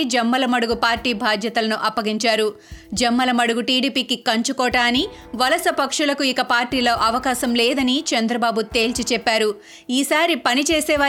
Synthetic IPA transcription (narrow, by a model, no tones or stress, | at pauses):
d͡ʒɐmːɐlɐmɐɽuɡupaːɾʈiːbʱaːd̪ʱjɐt̪ɐlɐnuʔɐpːɐɡiɲt͡ʃaːɾu | d͡ʒɐmːɐlɐmɐɽuɡuʈiːɽiːpiːkikɐɲt͡ʃukɔːʈaːni | ʋɐlɐsɐpɐkʂulɐkuikɐpaːɾʈiːloːʔɐʋɐkaːsɐmlɛːd̪ɐnit͡ʃɐnd̪ɾɐbaːbut̪e̞ːlt͡ʃit͡ʃɛpːaːɾu | iːsaːɾipɐnit͡ʃeːsɛːʋaː